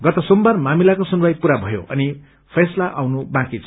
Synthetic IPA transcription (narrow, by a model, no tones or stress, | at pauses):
ɡʌt̪ʌsombarmamilakosunwajpuɾabʱʌjo̰ʔʌ̰ni | pʰeslaʔawnubãkit͡sʰ